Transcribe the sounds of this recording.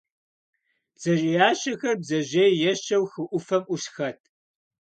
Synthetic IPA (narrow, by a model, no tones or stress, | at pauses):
z̥ɐʑʼijaːɕɐxɐrbzɐʑeːjjɛɕɐwxɨʔʷʊfɐmʔʷʊɕxɐtʰ